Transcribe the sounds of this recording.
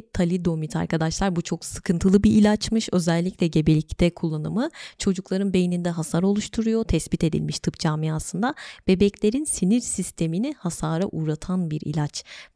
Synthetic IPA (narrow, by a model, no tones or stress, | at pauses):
t̪ʰalʲid̪o̞mit̪ʰa̰ɾkʰad̪aʃlˠaɾbut͡ʃʰo̞ksɯ̥kʰɯnt̪ʰɯlˠɯbiʔilʲat͡ʃmɯʃø̞zɛlʲːiclʲɛɟe̞belʲict̪ʰɛkʰulˠːanɯmɯt͡ʃʰo̞d͡ʒuklˠaɾɯnbe̞jinind̪ɛɦasaɾo̞lˠuʃt̪ʰuɾujot̪ʰɛsbit̪ʰe̞d̪ḭlʲmiʃt̪ʰɯpd͡ʒaːmijasɯnd̪ab̥e̞bɛclʲe̞ɾinsiniɾsist̪ʰe̞minihasaːɾaʔuːɾat̪ʰanbiɾḭlʲat͡ʃ